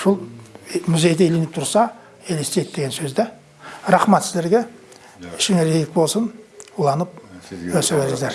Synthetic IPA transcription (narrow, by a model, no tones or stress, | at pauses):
ʃʊlˠmʏze̞jd̪eelenɪp̚t̪ʰʊɾsɑ | elest̪ejɪk̚d̪e̞ɡʲe̞nsɵzd̪e | ɾɑχmɑt̪sɪzd̪e̞ɾɡʲe | ɪʃkʲɪŋeɾej̪ɪk̚bo̞lˠsənulˠɑnəp̚wɵsɪbeɾɪŋzd̪eɾ